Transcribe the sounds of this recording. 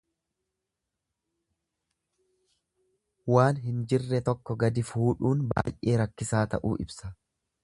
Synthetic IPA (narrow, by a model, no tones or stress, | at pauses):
waːnɦɪnd͡ʒɪrːɛt̪ɔkːɔɡɐd̪ɪfuːᶑuːnba̰ːjʔeːɾɐkːɪsaːt̪ɐ̰ʔṵːʔɪbsɐ